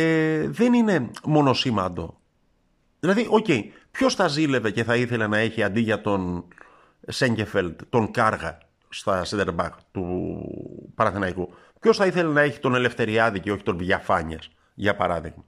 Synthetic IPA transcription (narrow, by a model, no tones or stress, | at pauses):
ðe̞nine̞mo̞no̞simɐnd̪o̞̰ | ðilɐðiʔo̞ce̞ipço̞sθɐzile̞ve̞ce̞θɐiθe̞lenɐe̞çiɐnd̪iʝɐt̪o̞n | seɲɟefeld̪t̪o̞ŋkɐɾɣɐ̰ | st̪ɐsɐnd̪eɾbɐ̰xt̪u | pɐɾɐθinɐjku | pço̞sθɐiθelenɐe̞çi̥t̪o̞ne̞le̞fθe̞ɾiɐðiceo̞çi̥t̪o̞nvʝɐfɐɲiɐs | ʝɐpɐɾɐðḭɣmɐ